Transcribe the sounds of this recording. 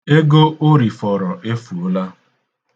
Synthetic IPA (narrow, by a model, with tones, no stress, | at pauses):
e˦ɡo˦ʔo˦ɾi˨fɔ˨ɾɔ˨ʔe˦fu˨˦la˦